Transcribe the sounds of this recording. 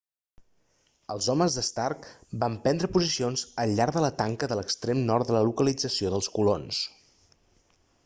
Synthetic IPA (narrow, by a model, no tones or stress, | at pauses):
əlˠzɔməzðəst̪arkbampɛnd̪ɾəpuzisionzəʎʎaɾðələt̪aŋkəðələkst̪ɾemnɔɾrt̪d̪ələlukəlid͡zəsioðəlˠskulons